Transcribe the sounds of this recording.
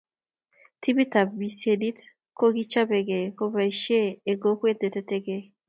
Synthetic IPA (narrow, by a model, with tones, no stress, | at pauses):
tʰi˦bi˦ta˨bbi˨se˨di˦t | ko˦ɡi˦t͡ʃa˦be˨ɡe˨ko˦ba˨i˨ʃeː˦˨ɡo˦kwe˦te˨tɛ˦te˦ɡe˦